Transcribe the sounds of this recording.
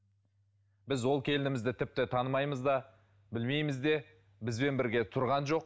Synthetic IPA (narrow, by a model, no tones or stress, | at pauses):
bɪzwo̞lˠkʲʰe̞lɪnɪmɪzd̪ɪt̪ʰɪp̚t̪ɪt̪ʰɑnəmɑjməzd̪ɑ | bɪlme̞jmɪzd̪e̞ | bɪzbe̞nbɪɾɡʲe̞t̪ʰʊɾʁɑnʒo̞q